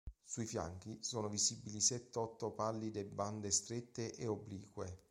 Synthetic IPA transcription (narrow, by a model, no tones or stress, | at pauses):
suifja̰ŋk̟isɔːnovizibilisɛt̪ːeɔt̪ːopalːid̪ebːand̪est̪ɾet̪ːeʔeobliːkwe